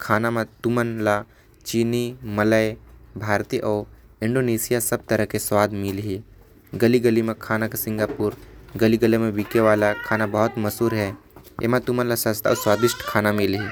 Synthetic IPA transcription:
kʰaːnamẽt̪ʊmənla | t͡ʃiːnimɐləjbʱaːɾt̪iʔɔː | ɪ̃ɳɖoːneːsijasɐb̚t̪ɐɾəɦkeswaːd̪mɪlɦi | ɡəliɡəlimẽkʰaːnakasɪ̃ŋɡaːpuːɾɡəliɡəlemẽʋikeʋaːlakʰaːnabɐɦʊt̪mɐsuːɾɦɛː | ḛːmãt̪ʊmənlasə̃st̪ʰaɔ̰ːɾswaːd̪ɪʃʈkʰaːnamɪlɦi

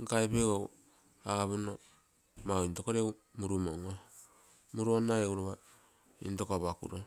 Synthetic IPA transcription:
ŋkaepeɡow | aβuno | maintokoɾewmuɾumoŋo | muɾuonaeuɾoβa | ḭntokoβakṵɾo

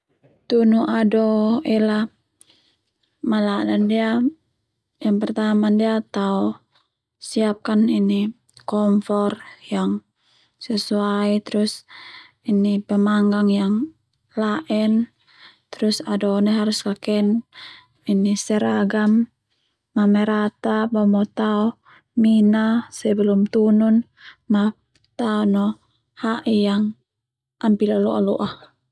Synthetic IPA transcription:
t̪unuʔadɔʔɛla | mala̰nandia | jaŋpərt̪amandiat̪au | siap̚kanini | kɔmfɔrjaŋ | sɛsuait̪ɾus | inipəmaŋɡaŋjaŋ | laʔɛn | t̪ɾusadɔnɛɦaɾuskakɛn | inisɛɾaɡamː | amɛɾat̪abamɔt̪aɔ | minasɛbɛlumt̪unun | ma | t̪aɔnɔ | haʔijaŋ | ʔampilalɔʔa̰lɔ̰ʔa

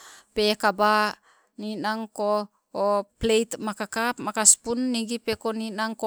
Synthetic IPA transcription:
pekaba | ninaŋkoː | plejtmakakapmakaspunːiɡipekoninaŋko

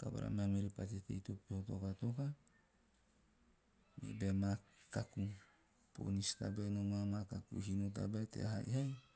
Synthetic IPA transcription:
kaba̰ɾa̰mamiɾepat͡ʃet̪ḛit̪opihot̪okat̪oka | mḭbemakaku | po̰nist̪abenomamakakṵɦinot̪̬a̰baet̪ḛaɦaḭhaj

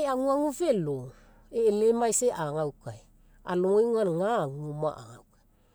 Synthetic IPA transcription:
jaŋuaŋuvelo | eːlemajseʔaŋawkaj | a̰loŋojŋuanŋaŋuma̰ʔa̰ŋawkaj

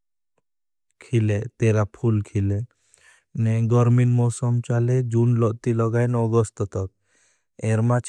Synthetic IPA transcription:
kʰilet̪eɾapʰulkʰile | nɛɡɔɾminmɔsɔmt͡ʃalɛd͡ʒunlɔʔt̪ilɔɡajnɔɡɔst̪ɔt̪ɔk | eɾmat͡ʃ

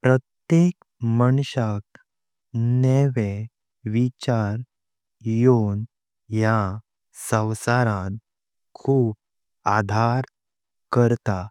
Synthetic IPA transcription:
pɾət̪jek | məɳɕak̚ | nɛʋe | ʋit͡ɕaɾ | jon | ja | sə̃wsaɾãn | kʰuːp̚ | ad̪ʱaɾ | kəɾt̪a

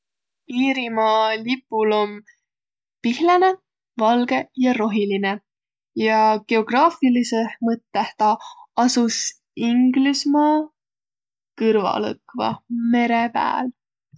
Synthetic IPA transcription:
iːɾimɑlipːˑulo̞m | pihlene̞ | vɑlɡ̥e̞jɑɾo̞ɦiline̞ | jɑɡe̞o̞ɡ̥rɑːfilisehmɤt̪ːˑeht̪ɑɑsus | iŋɡlismɑ | kɯrvɑ̰lɤ̰kvɑ̰me̞ɾepæ̰ːl

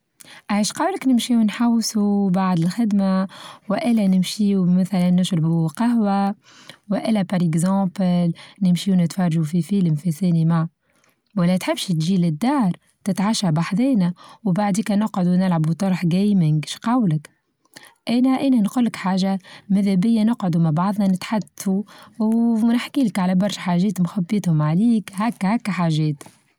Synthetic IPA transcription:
ʔaʕiːʃqɑːwləknɪmʃiːwnħawːsubaʕd̪ɪlxɪd̪mawʔɪlːɛnɪmʃiːumæθælænːɪʒɾɪbuqɑɦwa | wʔɪlːæpɑɾˤɪɡzɑ̃ːbnɪmʃiːwnɪt̪fɑrˤɑʒufifiːləmfisæːnimaʕ | wælːɛt̪ħɪbːʃt̪ʒiːlɪd̪ːɑːɾˤ | t̪ɪt̪ʕaʃæbaħd̪eːnæwbaʕd̪iːkænɪqʕʊd̪unɪlʕabut̪ˤɑɾˤħɡæjmɪŋɡʃqɑwlɪk | ʔæːnæʔæːnænqʊlːɪkħaːʒamæðæbɪjːænɪqʕʊd̪umaʕbɑʕðˤnɑnɪt̪ħad̪θuwnɪħkiːlkʕalæbɑɾˤʃħaːʒɛːt̪mxabːɪt̪hʊmʕaliːkhækːhækːħaːʒɛːt̪

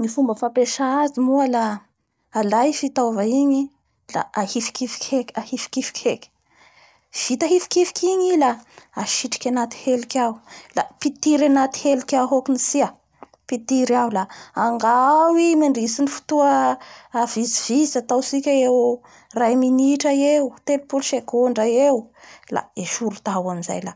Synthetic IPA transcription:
nifumbəfapeʃaazimuəlaː | lajfit̪avaiɲi | la̰ahifi̥kifi̥kʲʰekʲahifi̥kifi̥kʲʰekʲi̥ | v̥it̪aɦifi̥kifi̥kiɲilaaʃiʈ͡ʂḁkʲanat̪i̥helikʲawlapit̪iɾanat̪i̥helikʲaɦokunisia | pit̪iɾawlaaŋɡawimiɳɖ͡ʐisinifu̥t̪uəː | viziv̥izat̪awsikʲaew | rajminiʈ͡ʂaewt̪elipulʃekoɳɖ͡ʐaewla̰eʃuɾut̪awaminza̰jla

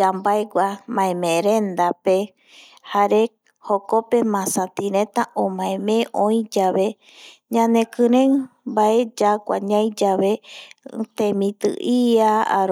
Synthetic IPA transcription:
ambaeɡʷamãẽmẽɾend̪ape | haɾe | hokope̞mãsat̪iɾẽt̪aʔõmãẽmẽʔõj̃d͡ʒaβe̞ | ɲãnekɨɾẽŋbaʔed͡ʒakʷa̰ɲãjd͡ʒaβe̞ | t̪ẽmĩt̪ɨ̰ʔiaa̰ɾ

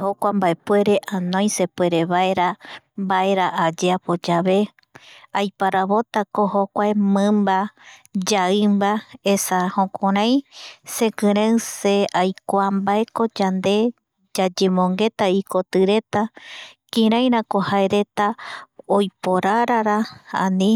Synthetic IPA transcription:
hokʷambae̞pwe̞ɾe̞ʔanõj̃se̞pwe̞ɾe̞βaeɾambae̞ɾaʔːd͡ʒeapo̞d͡ʒaβe̞ | ajpaɾaβo̞t̪ako̞hokʷaemɨ̃mbad͡ʒaɨmbae̞sahõkõɾãj̃sekɨ̃ɾewseajkʷambae̞ko̞d͡ʒand̪e̞ | d͡ʒad͡ʒemõ̞ŋɡe̞t̪aiko̞t̪ɨɾe̞t̪akĩɾãj̃ɾakohaeɾe̞t̪aojpo̞ɾaɾaɾaa̰nĩ

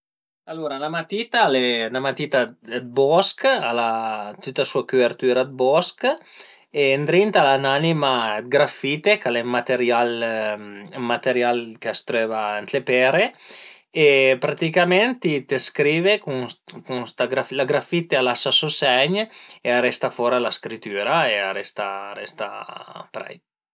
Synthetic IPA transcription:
aloɾalamat̪it̪alenamat̪it̪ad̪̚bɔskalat̪ut̪ːasuakuveɾt̪yɾad̪̚bɔsk | end̪ɾint̪alananimaɡɾafit̪ekalemat̪eɾjal | mat̪eɾjalkast̪ɾøːvant̪lepɛɾe | epɾat̪ikamɛnt̪it̪eskɾiːvekukunst̪aɡɾaflaɡɾafit̪ealasasosɛɲearɛst̪afoɾalaskɾit̪yɾaearɛst̪a̰ɾɛst̪a̰pɾɛ̰j

